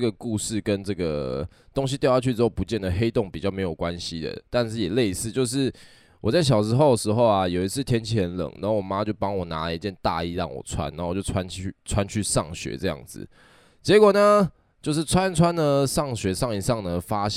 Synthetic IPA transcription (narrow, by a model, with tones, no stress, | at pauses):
ɡə˩ku˥˧ʂɻ̩˥˩kə˦nʈ͡ʂɤ˥˩ɡə̰˩ | t̪o˥˦ŋɕ̬i˧t̪jʊja˥˩t͡ɕʰy˥˩ʈ͡ʂɻ̩˥xo˥˩pu˧˦t͡ɕjɛ˥˩nd̪ə˩xe˥ɪt̪o˥˩ŋpi˨˩t͡ɕɑ˥˩me˧˥ɪjo˨˩ʊkwa˦nɕi˦d̪ə̰˨t̪a˥˧nʂɻ̩˥˩jɛ˨˩le˥˧ɪsɹ̩˥˧t͡ɕjo˥˧ʊʂ̬ɻ̩˥˩ | wɔ˨˩t͡sa˥˩ɪɕ̬jɑ˨˩ʊʂɻ̩˧˥xo˥˩ʊd̪ə˩ʂɻ̩˧˥xo˥˧ʊa˨jo˨˩i˧˦t͡s̩ʰ˥˩t̪ʰjɛ˥nt͡ɕʰi˧˥xə˧˦nlə̰˨˩˦ŋna̰˧˦˥o˥˩wɔ˨˩ma˦t͡ɕjo˥˩ʊpɑ˥ŋwɔ˨˩na˧˦i˧t͡ɕjɛ˥˧nt̪a̰˥˧i˥˧ɻɑ̰˥˩ŋwɔ̰˨˩t͡sʰwa̰˦na˧˦˥o˥˨˩t͡ɕo˥˧˩t͡sʰwa˦ny˥˨t͡sʰwa˦nt͡ɕʰy˥˧ʂɑ˥˩ŋɕɥɛ̰˧˥ʈ͡ʂɤ˥˧jɑ̰˥˩ŋd͡zɹ̩̰˩ | t͡ɕjɛ˧˥kwɔ˨˩nə˩ | t͡ɕjo˥˧ʊʂ̬ɻ̩˥˩t͡sʰwa˦nt͡sʰwa˦nə˨ʂɑ˥˩ŋɕɥɛ˧˥ʂɑ˥˩ŋi˨˩ʂɑ˥˩ŋnə˩fa˦ɕ